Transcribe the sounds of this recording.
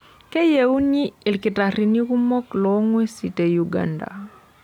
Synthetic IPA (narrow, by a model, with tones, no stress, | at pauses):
ke˦jeu˦ni˦i˨lki˨tarini˦ku˦mɔ˦klɔŋwɛ˦si˨te˨juɡa̰nda̰